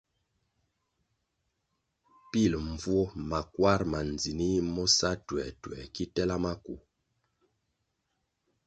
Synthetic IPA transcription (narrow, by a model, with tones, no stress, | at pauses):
pi˦˨lɱ˨vwɔ˦ma˨kwa˦ɾma˨n˨d͡zi˨ni˦mɔ˦sa˦twɛ˨twɛ̰˨ki˦tɛ˦la˦ma˦ku˨